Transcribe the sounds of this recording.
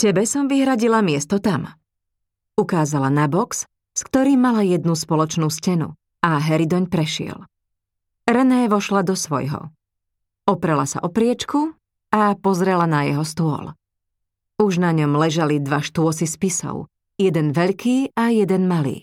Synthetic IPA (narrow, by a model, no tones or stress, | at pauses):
cɛbɛsɔmʋiɦɾaɟilamɪɛst̪ɔt̪am | ukaːzalanabɔks | skt̪ɔɾiːmːalajɛd̪nuspɔlɔt͡ʃnuːscɛnṵ | aɦɛɾid̪ɔɲpɾɛʃɪɛ̰l | ɾɛnɛːʋɔʃlad̪ɔsʋɔ̰jɦɔ̰ | ɔpɾɛlasa̰ʔɔpɾɪɛt͡ʃku | apɔzɾɛlanajɛɦɔst̪ʊɔ̰l | uʒnaɲɔmlɛʒalid̪ʋaʃt̪ʊɔsispisɔ̰ʊ | jɛd̪ɛnʋɛʎkiːajɛd̪ɛnmalḭː